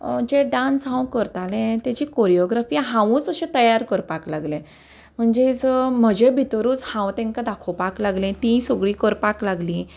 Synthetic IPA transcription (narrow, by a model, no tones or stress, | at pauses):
d͡ʑeɖãnsɦãwkəɾt̪alẽt̪jat͡ɕiːkoɾijoɡɾafiɦãʋũːt͡səɕẽt̪əjaɾkəɾpaklaɡlẽ | m̤əɳd͡ʑed͡zəm̤əd͡ʑebʱit̪əɾuːt͡shãwt̪ẽŋkad̪akʰopaklaɡlẽt̪ĩsoɡɭiːkəɾpaklaɡlĩ